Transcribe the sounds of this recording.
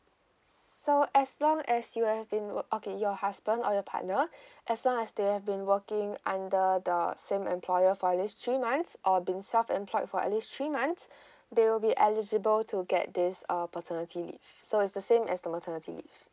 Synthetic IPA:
soʔɛslɔ̃ŋɛsjuhɛvbĩnwʔokejɔhasbə̃ndɔjɔpʰa̰ʔnəʔɛslɔ̃ŋɛsdehɛvbĩnwəkɪ̃ŋãndədəsẽmɛ̰̃mpʰlɔjəfɔəlist̪ɹimãnsʔɔbĩnsɛlfɛ̰̃mpʰlɔɪtfɔə̰tlist̪ɹimãns | dewɪlbiʔɛlid͡ʒəbəltʰuɡɛ̰t̚d̪ɪsapɔtʰənətʰilḭfsoɪtsdəsẽmɛ̰sdəmətʰənətʰḭlḭf

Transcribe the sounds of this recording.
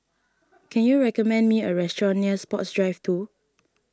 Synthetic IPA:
kʰɛ̃njuɹɛkɔmɛ̃ndmiəɹɛstɹɔ̃nːiəspɔtsdɹaɪftʰu

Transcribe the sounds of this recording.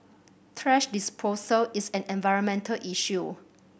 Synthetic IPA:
tʰɹɛʃdispʰosəlisɛ̃nɛ̃nvaɪɹə̃nmɛ̃ntʰəlʔiʃu

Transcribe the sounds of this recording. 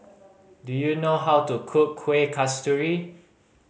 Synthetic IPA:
dujunoɦawtukʰukʰːwekʰastuɹi

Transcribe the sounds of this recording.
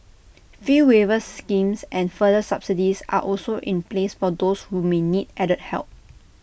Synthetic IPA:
fiwevəskĩmsʔɛ̃nfədəsapsidisa̰ʔɔlsoʔĩnplesfɔdoshumenid̚ɛɾət̚hɛ̰lˠp̚

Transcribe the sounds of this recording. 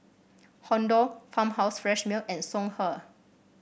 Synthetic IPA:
hɔ̃ndɔfãmhaʊsfɹɛʃmilʔɛ̃nsɔ̃ŋhə

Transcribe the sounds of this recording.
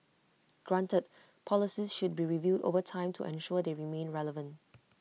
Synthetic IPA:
ɡ̥ɹãntət̚ | pʰɔlɪsisʃud̚biɹivjuːdo̰vətʰãɪ̃mtʰṵʔɛ̰̃nʃuəd̪eɹimẽnɹɛləvə̃nt

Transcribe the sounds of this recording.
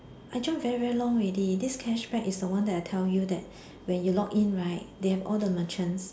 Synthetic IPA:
ʔaɪd͡ʒɔ̃vɛɹivɛɹilɔ̃ŋɹedidiskʰɛʃbɛkisdəwãndɛtaɪtʰɛljudɛt̚ | wɛ̃njulɔkĩnɹaɪt̚dehɛvɔ̰ldəmãt͡ʃə̃ns

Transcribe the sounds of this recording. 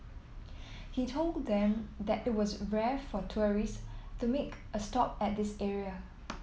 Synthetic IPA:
hitʰolddɛ̃md̪ɛtɪt̚wɔsɹɛfɔtʰuɹistumek | əstɔp̚ɛt̚d̪ɪsɛɹiə

